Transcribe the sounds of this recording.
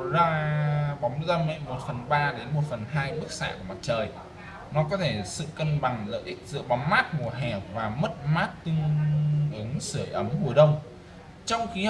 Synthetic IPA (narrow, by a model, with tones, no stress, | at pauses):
zɔ˧aː˨ɓɔ˨˦wŋ͡mzaː˧mɛ̰˧˨mo˨˩t̚fə˨˩nɓaː˧ɗe˨˦nmo˨˩t̚fə˨˩nɦaː˧jɓɨ˦˥k̚sa̰ː˧˨ku˧˩əma˨˩t̚t͡ɕəː˨˩j | nɔ˨˦k̬ɔ˨˦t̪ʰe˧˩sɨ̰˧˨kə˧nɓa˨˩ŋlə̰ː˧˨jʔï˦˥k̟̚zɨ̰˧˨əɓɔ˨˦ŋ͡mmaː˦˥t̚mu˨˩əɦɛ˨˩w̚vaː˨˩mə˦˥t̚maː˦˥t̚t̪ɨ˧əŋʔɨ˨˦əŋsɨ˧˩əjʔə˨˦mhu˨˩əjɗə˧wŋ͡m | t͡ɕɔ˧wŋ͡mxi˧